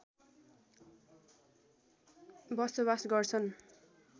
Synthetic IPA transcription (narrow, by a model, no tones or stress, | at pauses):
bʌsobasɡʌrt͡sʰʌn